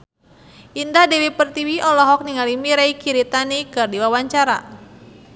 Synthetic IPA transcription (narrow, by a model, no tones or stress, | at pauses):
ʔindadɛwipərt̪iwiʔɔlɔɦɔk̚niŋalimiɾaikiɾit̪anikɨrdiwawaɲt͡ʃaɾa̰